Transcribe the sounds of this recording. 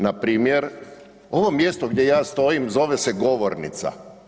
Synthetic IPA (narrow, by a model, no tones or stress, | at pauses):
napɾiːmjeɾ | o̞ʋo̞mjest̪oɡd̪ʲje̞jaːst̪o̞jimzo̞ʋeseɡo̞ʋoɾnḭt̪sa̰